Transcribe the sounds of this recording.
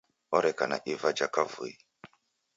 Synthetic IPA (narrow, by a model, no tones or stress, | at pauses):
ɔɾɛkana̰ʔivad͡ʒakavṵi